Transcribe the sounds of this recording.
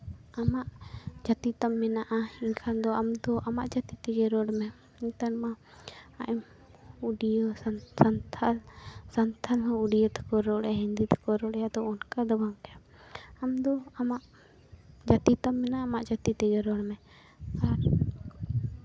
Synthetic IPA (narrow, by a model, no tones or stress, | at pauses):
amaʔd͡ʒat̪it̪amːɛnaʔaiɲkʰand̪ɔamd̪ɔʔamaʔd͡ʒat̪it̪ɛd͡ʒɛɾɔɽmɛ | iɲt̪anma | a̰ʔɛm | uɖijəsanʰalsant̪ʰalɦɔuɖijət̪ɛ̥kɔɾɔɽɛaɦind̪it̪ɛ̥kɔɾɔɽɛjad̪ɔɔnkad̪ɔbaŋɾɛja | amd̪ɔamaʔ | d͡ʒat̪it̪amːɛnaaːmaʔd͡ʒat̪it̪ɛd͡ʒɔɾɔɽmɛ | kaɾ